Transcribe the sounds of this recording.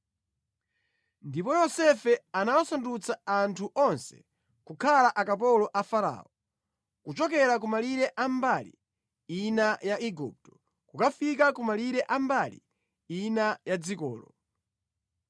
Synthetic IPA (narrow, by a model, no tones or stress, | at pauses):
ndipɔjɔsɛfɛanawasandut͡saantʰuʔɔnsɛ̰̥ | kukʰalaʔakapɔlɔʔafaɾa̰ːɔ | kut͡ʃɔk̬ɛɾak̬umaliɾɛʔambalḭ | inajaʔiɡṵp̚tɔ̥ | kukafikakumaliɾɛʔambalḭ | inajad͡zikɔ̰ːlɔ̰